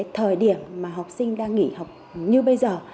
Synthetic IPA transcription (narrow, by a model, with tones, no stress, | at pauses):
t̪ʰəː˨˩jɗi˧˩əmːaː˨˩ɦa˨˩wk͡p̚sï˧ŋ̟ɗaː˧ŋŋḭ˧˨ha˨˩wk͡p̚ | ɲɨ˧ɓə˧jzəː˨˩